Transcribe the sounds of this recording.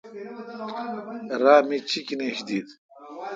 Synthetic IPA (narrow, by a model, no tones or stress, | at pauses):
ɾaːmit͡ɕʰikineɕd̪iːd̪